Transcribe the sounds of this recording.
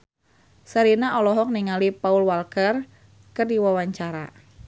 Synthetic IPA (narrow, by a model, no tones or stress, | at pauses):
səɾinaʔɔlɔɦɔk̚niŋalipaulwalkər | kərdiwawaɲt͡ʃaɾa̰